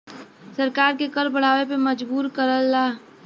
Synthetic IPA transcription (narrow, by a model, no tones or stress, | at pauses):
səɾkaːɾkekəɾbəɽ̤aːʋepemɐd͡ʒbuːɾkəɾəlːaː